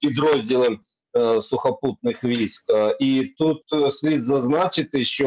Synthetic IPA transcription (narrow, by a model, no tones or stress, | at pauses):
pʲɪd̪ɾozʲdʲɪlˠəm | sʊxɐput̪̚nɨxʋʲiskit̪ut̪sʲlʲid̪zɐznat͡ɕɪt̪jɪɕːo